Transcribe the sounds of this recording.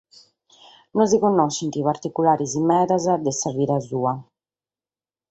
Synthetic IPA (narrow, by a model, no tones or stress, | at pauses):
nɔzikonːɔʃint̪ipaɾt̪ikulaːɾizimɛːðazad̪ɛsaviːɾazuːa